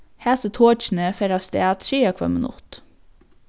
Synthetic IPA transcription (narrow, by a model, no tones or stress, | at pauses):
hæːsət̪ʰoːt͡ʃn̩əfɛɾɑst̪eːt̪ʃiːɑkʰʋɑ̰mənʊ̰t̪